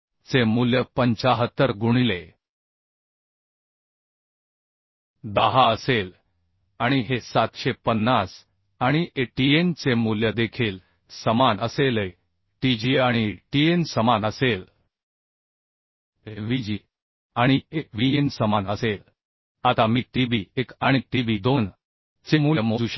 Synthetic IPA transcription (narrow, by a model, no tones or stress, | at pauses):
t͡semuljəpəɲt͡ɕaɦət̪ːəɾɡuɽ̃ile | d̪əɦaəsel | aɽ̃iɦesat̪ɕepənːas | aɽ̃iʔeʈient͡semuljəd̪ekʰiːl | səmanəselə | ʈid͡ʑiaɽ̃iʈiensəmanəsel | ɦeʋid͡ʑi | aɽ̃ieʋiensəmanəsel | at̪amiːʈibiekaɽ̃iʈibid̪on | t͡semuljəmod͡zuɕa